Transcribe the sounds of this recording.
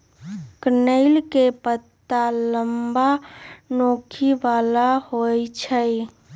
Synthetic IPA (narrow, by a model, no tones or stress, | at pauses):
kənəɪlkepət̪ːaləmbanokʰibalahojt͡ʃʰəj